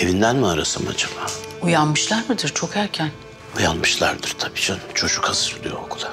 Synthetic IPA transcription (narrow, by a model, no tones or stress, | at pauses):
e̞vind̪ænmiaɾasɯma̰d͡ʒabaujanmɯʃlˠaɾmɯd̪ɯɾt͡ʃʰo̞kæɾcʰæn | ujanmɯʃlˠaɾd̪ɯɾ̥t̪ʰabid͡ʒant͡ʃʰo̞ʃukhazɯɾd̪ˠijookʰulˠa